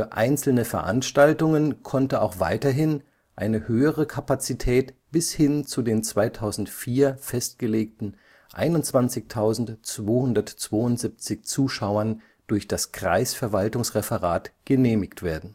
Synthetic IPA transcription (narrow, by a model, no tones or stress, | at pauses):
fyːɐʔa̰ɪnt͡sl̩nəfɛɐʔa̰nʃtaltʊŋənkʰɔntəaʊxv̥a̰ɪtɐɦɪn | ʔaɪnəhøːəʁəkʰapat͡sitʰɛːtb̥ɪshɪnt͡sudeːnt͡sv̥aɪtʰaʊzn̩tfiːɐfɛstɡ̥əleːk̚tn̩ | ʔa̰ɪnʊntt͡sv̥ant͡sɪçtʰaʊzn̩tt͡sv̥oːhʊndɐtt͡sv̥oːʊntz̥ɪp̚t͡sɪçt͡suːʃaʊɐn | d̥ʊɐçd̥askʁ̥a̰ɪsfɛɐvaltʊŋsʁefəʁa̰ːtɡ̥əneːmɪçtv̥eːɐdn̩